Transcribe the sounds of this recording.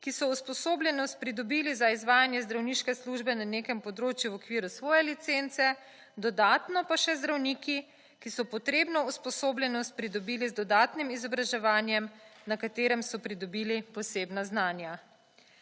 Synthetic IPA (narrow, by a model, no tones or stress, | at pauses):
kisɔuspɔsoːblʲjɛnɔst̪̚pɾid̪ɔbiːlizaizʋaːjanjɛzd̪ɾawniʃkɛsluʒbɛnaneːkɛmpɔd̪ɾoːt͡ʃjuwɔkʋiːɾusʋɔːjɛlit̪sent̪sɛ | d̪ɔd̪aːt̪nɔpaʃɛzd̪ɾawniːki | kisɔpɔt̪ɾeːbnɔuspɔsoːblʲjɛnɔst̪̚pɾid̪ɔbiːlizd̪ɔd̪aːt̪nimizɔbɾaʒɛʋaːnjɛmnakat̪eːɾɛmsɔpɾid̪ɔbiːlipɔseːbnaznaːnja